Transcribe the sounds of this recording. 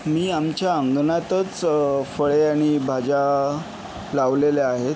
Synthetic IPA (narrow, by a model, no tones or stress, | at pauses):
miːamt͡ɕjaəŋɡnat̪ət͡sfəɭeaɽ̃ibʱad͡ʑa | laʋleleaɦet̪